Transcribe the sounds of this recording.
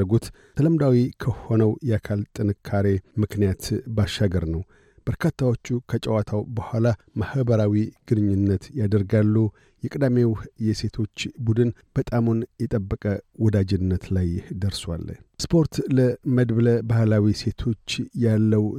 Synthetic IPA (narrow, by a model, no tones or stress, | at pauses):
əɡut̪ | t̪ʰələmd̪awikʰəho̞nəwjɛakʰalt̪ʼɨnɨkʰːaɾe̞mɨknijat̪baʃːaɡəɾnəw | b̥əɾkʰat̪ʰːawo̞t͡ʃːukʰət͡ʃʼəwat̪ʰawbəhʷala | mahbəɾawiɡ̥ɨnɨɲːunːət̪jad̪əɾɡalːu | jɛkʼɨd̪amewjɛse̞t̪ʰo̞t͡ʃːbud̪ɨnb̥ət̪ʼamunjɛt̪ʼəbːəkʼəwɔd̪ad͡ʒɪnːət̪lajhd̪əɾswa̰lːspʰo̞ɾt̪ləməd̪bləbahlawise̞t̪ʰo̞t͡ʃːjalːəw